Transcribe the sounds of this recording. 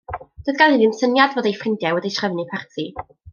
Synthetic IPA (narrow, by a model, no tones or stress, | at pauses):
d̥oðɡ̥alˠhɪdɪnsənjadvoːdejfrɪndjawɛdijtʰrəvnipʰɛrtʰi